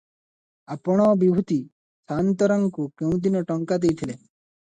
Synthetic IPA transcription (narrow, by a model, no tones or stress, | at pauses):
apɔɽ̃ɔbibʱut̪i | sant̪ɔɾaŋkukew̃d̪inɔʈɔŋkad̪ejt̪ʰile